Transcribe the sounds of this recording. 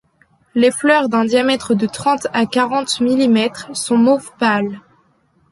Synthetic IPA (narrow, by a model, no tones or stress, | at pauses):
leplœʁd̪ɛ̃d̪jamɛt̪χəd̪ət̪χɑ̃t̪akaʁɑ̃t̪milimɛt̪χsɔ̃mofpal